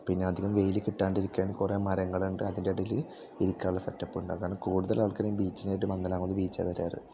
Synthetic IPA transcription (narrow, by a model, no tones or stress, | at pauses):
pinːe̞ɐd̪ʱiɣɐmʋe̞jilɨkiʈːaːɳɖiɾikʲːaːnkure̞ːmɐɾɐŋːɐɭuɳɖɨɐðindeɐɽɐjilɨ | iɾukʲːaːuɭːɐsɐtːɐpːuɳɖɨɐɣaːnɐmkuːɽuðɐlaːɭkɐɾɐjumbiːt͡ɕːinejʈ̬ːɨmɐnːɐlaːŋunɨbiːt͡ɕːɐ̰ʋɐɾa̰ːrɨ̰